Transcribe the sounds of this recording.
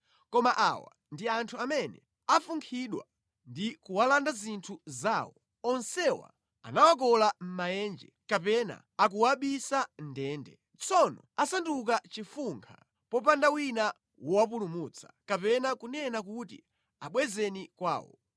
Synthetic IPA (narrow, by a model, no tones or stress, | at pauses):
kɔmaʔa̰wa̰ | ndiantʰuamɛnɛ | afuŋkʰiɗwa | ndikuwalandazintʰuzaːwɔ | ɔnsɛwa̰ | a̰nawak̬ɔlam̩majɛːnd͡ʒɛkapɛna̰ | akuwaɓisandɛːndɛ | t͡sʰɔnɔasanduk̬at͡ʃifuŋkʰa | pɔpandawina | wʔɔwap̬ulumut͡sʰḁkapɛnakunɛnak̬utḭ | aɓwɛzɛnikwa̰ːwɔ̰